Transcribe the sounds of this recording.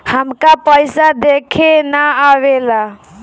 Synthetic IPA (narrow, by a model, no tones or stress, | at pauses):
həmkapəjsad̪ekʰenəawela